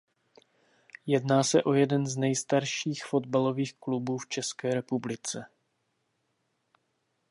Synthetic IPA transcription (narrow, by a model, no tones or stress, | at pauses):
jɛdnaːsɛʔo̞jɛdɛnznɛjst̪aɾʃiːxfo̞d̚balo̞viːxklubuːft͡ʃɛskɛːɾɛpublɪt͡sɛ